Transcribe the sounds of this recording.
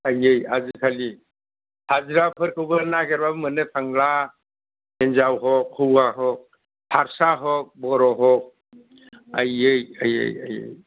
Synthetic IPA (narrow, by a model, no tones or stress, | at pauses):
ajejazɯkʰali | hazɾapʰɯɾkʰɯwbəɾnaɡɛɾbabmɯnɯtʰaŋla | enzawɦɔkʰːɯwaɦɔk̚ | pʰaɾsaɦɔk̚bɔɾɔɦɔk̚ | ajɯjajḛjajḛj